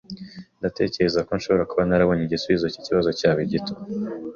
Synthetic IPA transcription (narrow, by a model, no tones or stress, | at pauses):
ndate̞ːce̞ɾe̞zako̞nʃo̞βo̞ɾakuβanaɾaβo̞ɲiɟisuβizociciβazo̞caːβiɟitʰo̥